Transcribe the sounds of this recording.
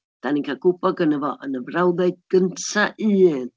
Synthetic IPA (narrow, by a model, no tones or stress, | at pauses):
d̪̥anikʰakupaɡənəvɔʔənəvrawðejt̚ɡ̥ənt͡saʔiɛ